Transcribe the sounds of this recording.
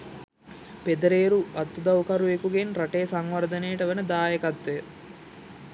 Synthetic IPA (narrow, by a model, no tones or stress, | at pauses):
ped̪ɐɾeːɾuʔɐt̪ːud̪ɐwkɐɾuekuɡenɾaʈeːsɐŋʋɐɾd̪ɐneːʈəʋenəd̪aːjɐkɐt̪ʋej